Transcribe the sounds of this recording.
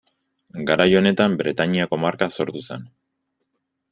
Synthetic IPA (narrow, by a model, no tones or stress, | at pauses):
ɡaɾajo̞ne̞t̪ambɾe̞t̪aɲiako̞maɾkaso̞ɾt̪use̞n